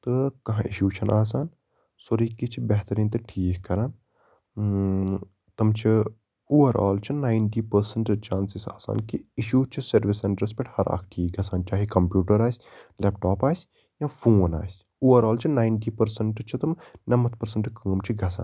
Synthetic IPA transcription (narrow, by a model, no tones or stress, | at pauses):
t̪ɨkɐɦãʔiʃjuːt͡ʃʰɐnʔaːs̬aːn | soɾiːkit͡ʃʰibeɦt̪ɐɾiːnt̪ɨʈʰiːkːɐɾaːn | t̪ɐmt͡ʃʰi | oːʋɐɾa̰ːlt͡ʃʰinaːɪɳʈiːpɐɾsɐɳʈt͡ʃaːnsisa̰ːsa̰ːnkiiʃjuːt͡ʃʰisɐɾʋisːeɳʈɐɾspeʈhɐɾa̰ːkʰʈʰiːk̚ɡɐsaːnt͡ʃaːɦikɐmpjuːʈɐɾaːsʲleːp̚ʈoːpaːsʲ | jãːfʰoːna̰ːsʲ | oːʋɐɾaːlt͡ʃʰinaːɪɳʈiːpɐɾsɐɳʈt͡ʃʰit̪ɐmnɐmɐt̪̚ʰpɐɾsɐɳʈkəːmt͡ʃʰiɡɐsa̰ːn